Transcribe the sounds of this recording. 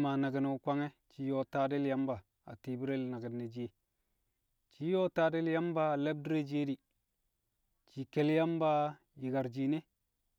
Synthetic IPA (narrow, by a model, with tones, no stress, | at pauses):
ma˨na˨ɡə˨no˨u˨kʷa˦ŋe˦t͡ʃi˦jo˦ta˦de˦lja˦mba˨ | a̰˨ti˨bi˦ɾe˦lna˨ɡə˨nːe˨d͡ʒi˦e˦ | t͡ʃi˦jo˦ta˦de˦lja˦mba˦˨le˦b̚dɾe˦d͡ʒe˦di˨ | t͡ʃi˨ke˦lja˦mba˦ | ji˨ɡa˨ɾd͡ʒi˨ne˦